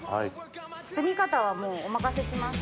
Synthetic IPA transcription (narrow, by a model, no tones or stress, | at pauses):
ha̰it͡sɨ̥t͡sɨɡʲikat̪aβamoːomakaseɕimas